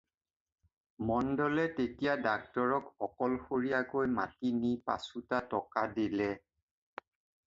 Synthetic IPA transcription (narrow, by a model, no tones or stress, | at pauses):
mɔndɔlɛtetijadak̚tɔɹɔkɔkɔlxoɹijakojma̰tinipa̰sutatɔkadilɛ